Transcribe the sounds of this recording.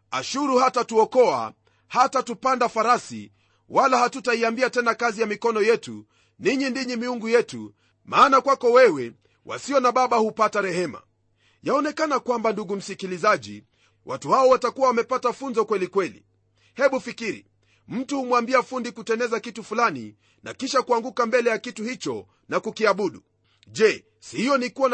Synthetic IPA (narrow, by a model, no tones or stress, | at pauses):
a̰ʃuɾuhatatuɔkɔa̰ | hatatupandafaɾasḭ | walahatutaiambiatɛnakazijamikɔnɔjɛtṵ | niɲindiɲimiuŋɡujɛtṵ | maːnakwakɔwɛwɛ | wʔa̰siɔnaɓaɓahupataɾɛhɛma̰ | jaɔnɛkanakwambanduɡum̩sikilizaʄḭ | wʔa̰tuhaɔwatakuwawamɛpatafunzɔkwɛlikwɛlḭ | hɛɓufikiɾḭ | m̩tuhumwambiafundikutɛnɛzakitufulanḭ | na̰kiʃakuaŋɡukambɛlɛjakituhit͡ʃɔ | nakukiaɓuɗu | ʄɛ | sihijɔnikuwa